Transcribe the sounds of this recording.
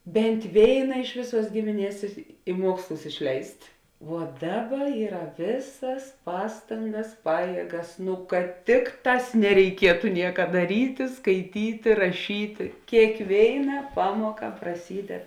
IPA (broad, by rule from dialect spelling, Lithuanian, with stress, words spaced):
ˈbʲɛnʲtʲ ˈʋʲeːɪnɐ ˈɪʃ ʋʲeːˌsuɔs ˈɡʲɪmʲɪˌnʲiɛs ɪ ˈmuɔkslˠʊs ɪʃʲˈlʲɛɪsʲtʲ ʋuɔ ˈdɑːˌbɐ ˈiːrɐ ˈʋʲeːsɐs ˈpɑːstɐŋɡɐs ˈpɑːjiɛɡɐs nʊ kɐt ˈtʲɪkˌtɑːs nʲɛrʲɛɪˈkʲiɛtʊ ˈnʲiɛkɐ dɐˈrʲiːtʲɪ skɐɪˈtʲiːtʲɪ rɐˈʃʲiːtʲɪ kʲeːkˈʋʲeːɪnɐ ˈpɑːmuɔkɐ prɐˈsʲiːdʲɛt